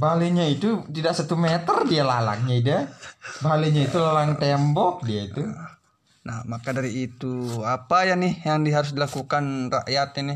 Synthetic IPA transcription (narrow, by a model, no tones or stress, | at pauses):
baleɲait̪ut̪idaʔsat̪umɛt̪ərdialala̰ŋɲaidabaleɲait̪ulalaŋt̪ɛmbɔk̚diait̪u | nahmakadaɾiːt̪uapajanɪhjaŋdiɦaɾʊs̬dilakukanraʔjat̪̚anɪ